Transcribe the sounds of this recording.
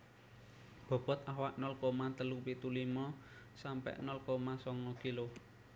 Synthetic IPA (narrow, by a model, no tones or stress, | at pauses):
b̥ɔ̤b̥ɔ̤t̪̚awaʔnɔlkomant̪əlupit̪ulimɔ | sampɛ̰ʔnɔlkomasɔŋɔkilo